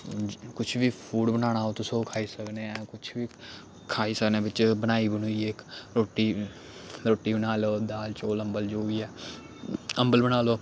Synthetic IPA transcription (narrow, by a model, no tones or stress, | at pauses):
kʊt͡ʃʰʋiːpʰuːɖbənaːnaːot̪ʊsõːkʰaːiːsəkneːɛkʊt͡ʃʰʋiː | kʰaːiːsəkneːbɪt͡ʃbənaːiːbənuːiːekɾoːʈːiː | ɾoːʈiːbənaːloːd̪aːlt͡ʃoːlə̃mbəld͡ʒoːiːɛː | əmbəlbənaːloː